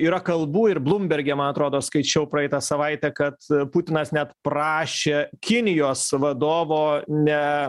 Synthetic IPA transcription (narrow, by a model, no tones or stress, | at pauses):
iːɾɐkɐlˠbuːɪɾblˠʊmʲbʲɛɾʲɡʲɛːmɐnɐt̪ɾoːd̪oːskɐɪt͡ʃʲɛʊpɾɐɛɪt̪ɐsɐʋɐɪt̪ʲɛkɐt̪pʊt̪ʲɪnɐsnʲɛt̪pɾɑːʃʲeːkʲɪnʲɪjoːsʋɐd̪oːʋoːnʲɛ